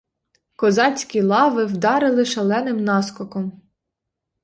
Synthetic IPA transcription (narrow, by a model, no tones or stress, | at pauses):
kɔzɑt͡sʲkʲilˠɑʋɪwd̪ɑɾɪlˠɪʃɐlˠɛnɪmnɑskɔkɔm